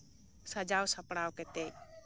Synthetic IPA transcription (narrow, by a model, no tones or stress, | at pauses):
səd͡ʒaːwsəpɽ̃aːwket̪e